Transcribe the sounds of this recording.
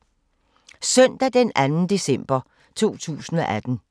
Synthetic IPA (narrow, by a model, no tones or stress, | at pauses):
sœn̰d̥æd̥enænn̩d̥e̝sem̰b̥ɐ | t͡sʰo̝̰ːt͡sʰṵːsn̩ɒʔæd̥n̩